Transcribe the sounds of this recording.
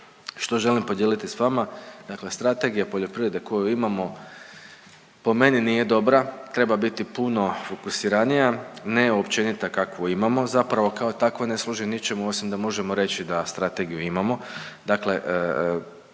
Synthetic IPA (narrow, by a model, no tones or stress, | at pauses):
ʃt̪o̞ʒe̞limpo̞d̪jelit̪isʋamad̪̥akle̞st̪ɾat̪e̞ɡijapo̞ʎo̞pɾiʋɾe̞d̪e̞ko̞juimamo̞ | po̞me̞ninije̞d̪o̞bɾat̪ɾe̞babit̪ipuno̞fokusiɾanijane̞opt͡ʃe̞nit̪akakʋoimamo̞zapɾaʋo̞kao̞t̪akʋone̞slˠuʒinit͡ʃe̞muo̞simd̪amo̞ʒe̞mo̞ɾe̞t͡ɕid̪ast̪ɾat̪e̞ɡijuimamo̞d̪akle̞ʔ